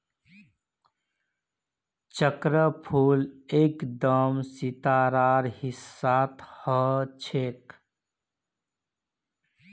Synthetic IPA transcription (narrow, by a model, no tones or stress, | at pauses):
t͡ʃəkɾəpʰuːlekd̪əmsit̪aɾaːɾhisːaːt̪ʰhət͡ʃʰek